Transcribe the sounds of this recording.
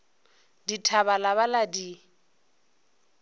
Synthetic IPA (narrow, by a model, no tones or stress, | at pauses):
ditʰaβalaβaladi